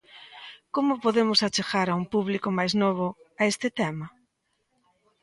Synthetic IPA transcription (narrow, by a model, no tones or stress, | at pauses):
komʊpoðemʊsat͡ʃeɣaɾaumpuβlikʊmajznoβ̞ʊaest̪ɪt̪ɛmɐ